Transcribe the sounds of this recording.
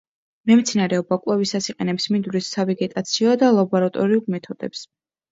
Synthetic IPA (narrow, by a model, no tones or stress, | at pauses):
mɛmt̪sʰinaɾɛɔbakʼwɛvisasiqʼɛnɛpsmind̪uɾisːavɛɡɛt̪ʼat̪sʰiɔd̪alˠabɔɾat̪ʼɔɾiulmɛt̪ʰɔd̪ɛ̰ps